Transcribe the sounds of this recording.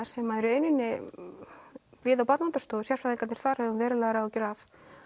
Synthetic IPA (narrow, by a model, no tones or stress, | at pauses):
sɛmːaðɛɾʏejnɪnːɪ | vɪːðawpat̪nant̪ast̪oːwðʏsjarfaðiŋkat̪nɪ̥ɾ̥θaɾ̥hɛvʏmvɛːɾɪlɛːɣɾaɔcɛɾaf